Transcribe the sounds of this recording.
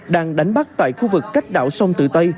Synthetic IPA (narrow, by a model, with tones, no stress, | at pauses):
ɗaː˧ŋɗa˨˦jŋ̟ɓa˦˥k̚t̪a̰ː˧˨jxu˧vɨ˨˩kːa˦˥jk̟̚ɗa̰ː˧˨wsə˧wŋ͡mt̪ɨ̰˧˨t̪ə˧j